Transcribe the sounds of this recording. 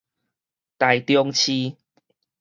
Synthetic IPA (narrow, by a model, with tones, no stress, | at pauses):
t̪a˨˩jt̪jɔ˧ŋt͡ɕʰi˧